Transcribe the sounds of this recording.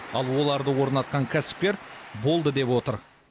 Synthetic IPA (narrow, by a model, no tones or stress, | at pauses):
ɑlˠwo̞lˠɑɾd̪əwo̞ɾnɑt̪qɑŋkʲʰæsɪ̥p̚kʲe̞ɾbo̞lˠd̪əd̪e̞pwo̞t̪əɾ